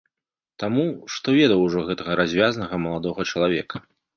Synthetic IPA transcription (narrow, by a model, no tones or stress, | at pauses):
t̪amuʂt̪ɔvʲɛd̪ɐwʐɔɣɛt̪ɐɣɐɾʔazʲvʲjaznɐɣɐmɐlˠad̪ɔɣɐt͡ʂɐlˠavʲɛkʰɐ̥